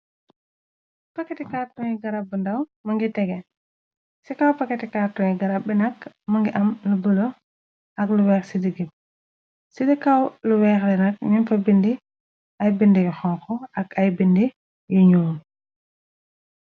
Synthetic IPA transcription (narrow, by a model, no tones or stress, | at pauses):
pɐkɛtikaːtɔŋiɡɐɾab̚bəndɐwmɐŋɡitɛɡɛ | sikawpɐkɛtikaːtːɔŋjiɡɐɾap̚bːɛnɐk | mɐŋɡiʔɐmlubəlo | ʔɐkluwɛːxsidiɡip̚ | sidikawluwɛːxlɛnɐkɲimfɐbindi | ɐjbindijɔxɔŋkɔɐkɐjbindi | juɲuːm